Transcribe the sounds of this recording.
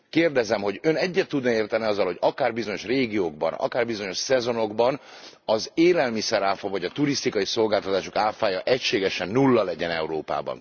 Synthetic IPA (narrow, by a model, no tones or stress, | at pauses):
keːrd̪ɛzɛmɦo̞ɟønɛɟːɛt̪ːud̪nɒeːrt̪ɛniɒzːɒlho̞ɟɒkaːrbizo̞ɲo̞ʃreːɡijoːɡ̚bɒ̰nɒ̰kaːrbizo̞ɲo̞ʃsɛzo̞no̞ɡbɒnɒzeːlɛlmisɛɾaːfɒvɒɟɒt̪uɾist̪ikɒjiso̞lɡaːlt̪ɒt̪aːʃokaːfaːjɒʔɛcʃeːɡɛʃɛnːulːɒlɛɟɛnɛuɾoːpa̰ːbɒ̰n